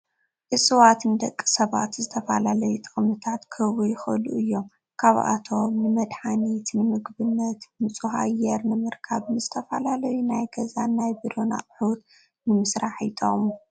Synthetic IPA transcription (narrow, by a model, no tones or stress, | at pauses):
ʔɨsʼɨwat̪ʰɨnɨd̪ɐkʼːi̥sɐβa̰t̪zɨt̪ʰɐfɐlalɐjut̪ʼɨχʼmɨt̪ʰat̪kʰɨβujɪxɐ̰luʔɨjːom | kʰaβa̰t̪ʰo̞mnɨmɐd̪ħanit̪nɨmɨɡbɨnːɐt̪mɨt͡sʼuɦa̰jɛɾnɨmɨɾkʰaβnɨzɨt̪ʰɐfalalɐjunajɡɐzanajbiɾo̞na̰ʔʼħut̪ | nɨmɨsɾaħḭt̪ʼo̰mu